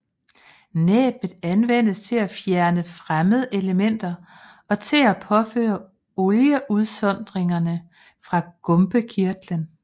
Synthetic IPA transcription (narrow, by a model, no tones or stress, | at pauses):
nɛ̰ːb̥ð̩ˠænʋen̰əst͡sʰe̝læfjæɐnəfʁaməð̞̩ˠʔe̝ləmen̰d̥ɐ | ɒ̽t͡sʰe̝læpʰɒ̽fø̰ːɐ | ɔljəʔuðˠsɒ̽n̰d̥ʁeŋɐnə | fʁɑ̈ɡ̥ɔ̽mb̥əkʰiɐd̥lən